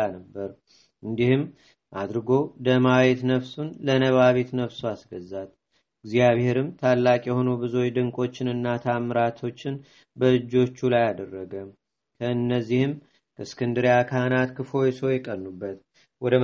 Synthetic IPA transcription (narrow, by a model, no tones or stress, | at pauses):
anəbːəɾ | ʔɨnd̪ihɨm | ʔad̪ɾɨɡo̞d̪əmaβet̪nəβsunlənəβaβet̪nəβsuasɡəzːat̪ | ɨɡzijaβhe̞ɾɨmt̪ʰalːakʼjɛho̞nobɨzo̞jd̪ɨŋkʼo̞t͡ʃːɪnɨnːat̪ʰamɨɾat̪ʰo̞t͡ʃːɪn | bəɨd͡ʒːo̞t͡ʃːulajad̪ərːəɡəm | kʰəɨnːəzːihɨm | kʰəskʰɨnd̪ɨɾjakʰanat̪kʰɨfo̞jsojɛkʼənːubːət̪ | wɔd̪ə